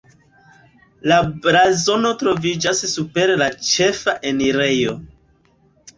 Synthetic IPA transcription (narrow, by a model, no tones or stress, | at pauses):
labɾazo̞no̞tɾo̞vid͡ʒassupe̞ɾlat͡ʃe̞faʔeniɾe̞jo̞